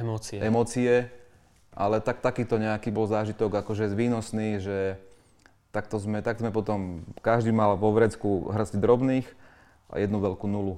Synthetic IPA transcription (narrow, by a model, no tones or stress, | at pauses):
ɛmɔːt͡siɛɛmɔːt͡siɛ | ʔa̰lɛt̪ak̚t̪akiːt̪ɔɲɛakiːbɔlzaːʒit̪ɔɡakɔʒɛʋiːnɔsniːʒɛ | t̪ak̚t̪ɔzmɛt̪aɡzmɛpɔt̪ɔmkaʒd̪iːmalʋɔʋɾɛt͡skuɦr̩zɟd̪ɾɔbniːx | a̰jɛd̪nuʋɛlkunulu